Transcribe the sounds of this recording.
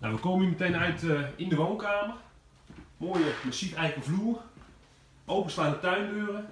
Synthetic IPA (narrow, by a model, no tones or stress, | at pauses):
naʋəkoːmənymətejnœɥtɪndəʋoːnkaːmər | moːjəməsitɛjləkəvluər | owpənslaːnətœɥnbøːrə